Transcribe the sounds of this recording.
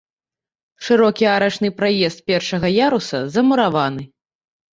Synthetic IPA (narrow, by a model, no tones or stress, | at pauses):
ʂɨɾɔkʲiaɾɐt͡ʂnɨpɾajɛst̪̚pʲɛrʂɐɣɐjaɾusɐzɐmuɾavanɨ